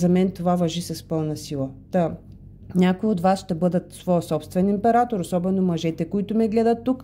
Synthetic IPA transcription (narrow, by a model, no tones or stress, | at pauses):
zɐmɛnt̪ovavɐʒisɐspɤlˠnɐsilˠɐt̪ə | nʲakoiod̪vasʃt̪ɛbɤd̪ət̪svɔjəsɔpst̪vɛnimpɛɾat̪oɾosɔbɛnomɐʒɛt̪ɛkoit̪ʊmɛɡlɛd̪ət̪ːuk